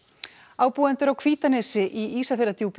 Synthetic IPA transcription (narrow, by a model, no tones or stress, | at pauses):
aːwpuɛnt̪ʏɾawkʰv̥iːt̪anɛsɪʔiiːsafɪɾðat̪ʰjuwp